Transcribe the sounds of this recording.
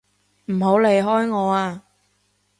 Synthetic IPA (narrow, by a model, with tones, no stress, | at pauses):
m̩˨˩ɦo˨˥wle˨jɦɔː˥jŋɔː˨˧aː˧